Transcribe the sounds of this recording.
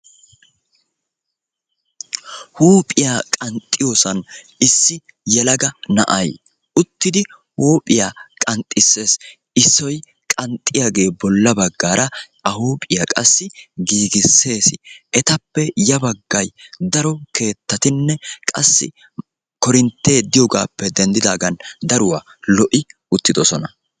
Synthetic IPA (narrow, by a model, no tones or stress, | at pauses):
huːpʼɪjakʼɐnt̪ʼːɪjoːsɐn | ɪsːɪ | jɛlɐɡɐnɐ̰ʔɐ̰j | ʊt̪ːɪd̪ɪ | hoːpʼɪjaːkʼɐnt̪ʼːɪsːe̞ːs | ɪsːɔj | kʼɐnt̪ʼːɪjaɡe̞ːbɔlːɐbɐɡːaːɾʔɐ | ɐhoːpʼɪjaːkʼɐsːɪɡiːɡɪsːe̞ːsɪɛt̪ɐpːɛjɐbɐɡːɐjd̪ɐɾɔke̞ːt̪ːɐt̪ɪnːɛkʼɐ̰sːɪ̰ | kɔɾɪnt̪ːe̞ːd̪ɪjɔɡaːpːɛd̪ɛnd̪ɪd̪aːɡɐnd̪ɐɾʊwaː | lɔʔɪ | ʊt̪ːɪd̪ɔsɔnɐ